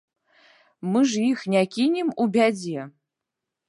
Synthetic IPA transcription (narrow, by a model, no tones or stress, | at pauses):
mɨʐjixnʲakʲʰinʲimubʲad͡zijɛ